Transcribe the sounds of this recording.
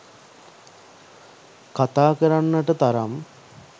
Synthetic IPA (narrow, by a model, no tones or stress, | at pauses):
kat̪aːkəɾanːəʈət̪aɾam